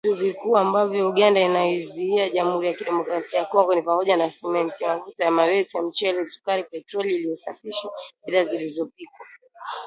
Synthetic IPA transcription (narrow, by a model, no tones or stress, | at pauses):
tuvikuːambavjɔuɠandainajɔziiaʄam̩huɾijakiɗɛmɔkɾasiajakɔŋɡɔnipamɔʄanasɛmɛntimavutajamawɛsiam̩t͡ʃɛlɛsu̥kaɾipɛtɾɔliːlijɔsa̰fiʃaɓiðazilizɔp̚ikwa